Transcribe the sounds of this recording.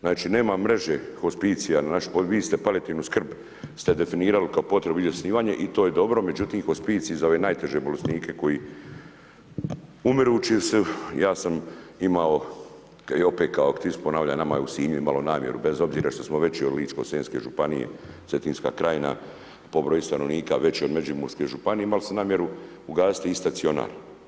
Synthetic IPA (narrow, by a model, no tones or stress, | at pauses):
znaːt͡ʃine̞ːmamːɾe̞ʒexospit̪sijananaʃpoʋiːst̪e̞pale̞t̪iːnuskr̩b | st̪e̞d̪e̞finiːɾalikaopo̞t̪ɾebuizʲjosniːʋaːɲeʔit̪o̞ːje̞d̪o̞bɾo̞me̞d͡ʑut̪iːmxospiːt̪siizaoʋe̞ːnaːjt̪e̞ʒebo̞lesniːkʰe̞ko̞ji | umɾuːt͡ʃisejaːsamimao | keopet̪kaokt̪isponaːʋʎanama̰jeusiːɲuimalonaːmje̞̰ɾube̞zo̞bziːɾaʃt̪o̞smoʋe̞t͡ɕiod̪liːt͡ʃko̞seːnske̞̰ʒupanijḛsʋet̪inska̰ːkɾaːjna̰ | po̞bɾojist̪anoʋniːkaʋe̞t͡ɕiod̪me̞d͡ʒimuɾskeʒupanieimalsenaːmjeɾu | uɡaːsi̥t̪ist̪asio̞na̰ːɾ